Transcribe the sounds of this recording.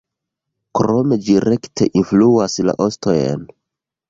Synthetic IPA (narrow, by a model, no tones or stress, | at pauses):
kɾo̞me̞d͡ʒiɾe̞ktʰe̞ʔinfluasla̰ʔo̞stojḛn